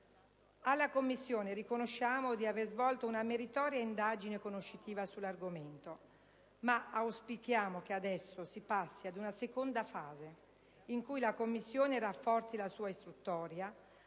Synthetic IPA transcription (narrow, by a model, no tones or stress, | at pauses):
alːakomːisːjoːnerikonoʃːaːmod̪iaveɾzvɔlt̪ounameɾit̪ɔːɾjaind̪aːd͡ʒinekonoʃːit̪iːvasulːarɡoment̪o | maawspikjaːmok̟ead̪ɛsːosipasːiad̪unasekond̪afaːze | iŋkujlakomːisːjoːnerafːɔrt̪silasuːaist̪ɾut̪ːɔːɾja